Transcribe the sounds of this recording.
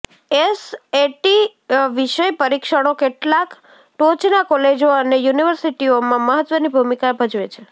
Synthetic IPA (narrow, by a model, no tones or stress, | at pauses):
eseʈi | ʋiʃəjpəɾikʃəɽ̃okeʈlak | ʈot͡ʃnakɔled͡ʒoənejuniʋəɾsiʈiomãməɦət̪ʋənibʱumikabʱəd͡ʒʋet͡ʃʰe